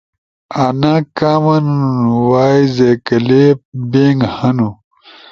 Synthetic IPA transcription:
anaːkaːmɐnununuwaːizekɐlepbeːŋɡhɐnu

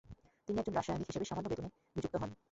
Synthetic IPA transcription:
t̪iniɛɡ̚d͡ʑonɾaʃajenikɦiʃebeʃamanːobet̪une | nid͡ʑukt̪oɦɔn

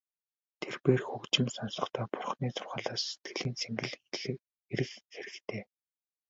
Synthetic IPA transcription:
t̪ʰerpeːrxukt͡ɕɪ̆msɔnsɞ̆χt̪ʰœːpʊrχniːt͡sʰʊrʁaːɮaːsːe̥t̪̚ɡɘ̆ɮiːnt͡sʰeŋɡɘ̆ɮ | eɾɘ̆xxeɾɘ̆xt̪ʰeː

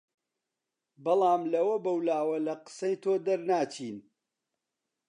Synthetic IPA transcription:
bɐlˠɑːmlɐwɐbɐwlaːwɐlɐqɨ̥sɐjt̪ʰoːd̪ɐɾnaːt͡ʃʰiːn

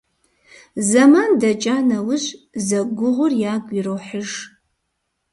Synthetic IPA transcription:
zɐmaːndɐt͡ʃʼanɐwʊɕʼzɐɡʷʊʁʷʊrjaːɡʷʼirowħəʒ

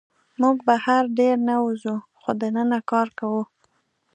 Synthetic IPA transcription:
muɡbahaɾɖeɾnawuzuxod̪ənənakɑɾkawu

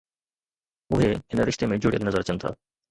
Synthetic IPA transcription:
ʊɦeɪnɾɪʃt̪emẽd͡ʒʊɽijəlnəzəɾt͡ɕənt̪ʰa̰ː

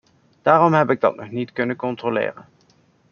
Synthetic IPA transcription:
d̥aːrɔmɦɛpɪɡ̚dɑ̰tnʔɔχnitkɵnəkɔntroːlɪ̰ːrə̰n

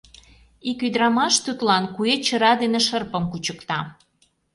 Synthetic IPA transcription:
ikyd̪ɾɑmɑʃt̪ut̪lɑnkuet͡ɕəɾɑd̪eneʃərpə̆mkut͡ɕəkt̪ɑ

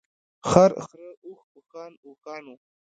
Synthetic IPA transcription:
xaɾ̰xɾəuxukaːnukɑːnu

